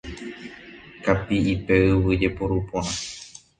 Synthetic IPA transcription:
kapiipe̞ɨwɨd͡ʒe̞poɾupõɾ̃ã

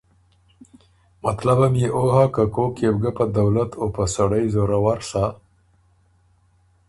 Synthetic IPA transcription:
mat̪labamjeʔoɦakakokjebɡapad̪awlat̪ʰopasaɽajzoɾawaɾsa

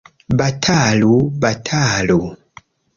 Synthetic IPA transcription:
batʰalubatʰalu

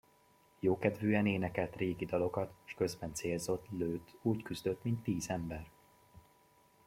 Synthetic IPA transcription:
joːkɛd̪vøːɛneːnɛkɛlt̪reːɡid̪ɒlo̞kɒt̪ʃkø̞zbɛnt̪seːlzo̞t̪løːt̪uːckyzd̪øt̪ːmint̪ːiːzɛmbɛr

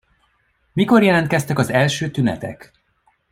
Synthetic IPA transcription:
miko̞rjɛlɛnt̪̚kɛst̪ɛkɒzɛlʃøːt̪ynɛ̰t̪ɛ̰k

